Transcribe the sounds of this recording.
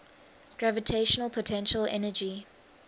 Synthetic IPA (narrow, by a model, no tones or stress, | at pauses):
ɡ̥ɹavitʰeʃənəlˠpʰɔtʰɛ̃nʃəlɛ̰nəd͡ʒi